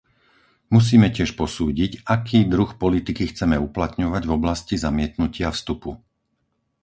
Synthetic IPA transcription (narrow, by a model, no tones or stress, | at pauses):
mus̬iːmɛcɪɛʃpɔsuːɟicakiːd̪ɾuxpɔlit̪ikixt͡sɛmɛuplat̪ɲɔʋaɟvɔblascizamɪɛt̪nucɪafst̪upu